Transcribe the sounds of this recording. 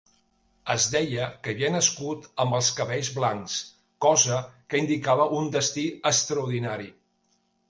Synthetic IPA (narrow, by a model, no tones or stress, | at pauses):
əzd̪ɛjəkəβiənəskut̪əmbəlˠskəβɛʎzβlaŋks | kɔzəkəind̪ikaβəʔund̪əst̪iəst̪ɾəuɾðinaɾi